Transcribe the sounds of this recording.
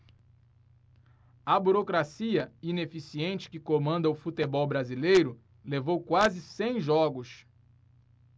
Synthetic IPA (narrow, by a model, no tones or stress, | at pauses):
ɐbuɾokɾasiɐinefisiẽnt͡ʃɪ̥kɪkomɐ̃nd̪ɐʊfut̪ebɔwbɾazilejɾʊ | levowkwazɪsẽj̃ʒɔɡʊs